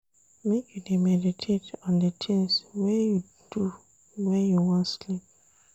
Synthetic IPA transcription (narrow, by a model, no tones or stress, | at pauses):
mekʰjudemɛditʰetɔ̃ndətʰĩŋswɛju | d̥u | wɛjuwɔ̃ntslip